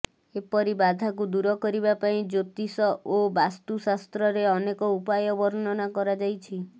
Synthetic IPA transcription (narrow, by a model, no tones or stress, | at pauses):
epɔɾibad̪ʱakud̪uɾɔkɔɾibapaĩd͡ʒot̪isɔobast̪usast̪ɾɔɾeɔnekɔupajɔbɔɾnɔnakɔɾad͡ʒajt͡ʃʰi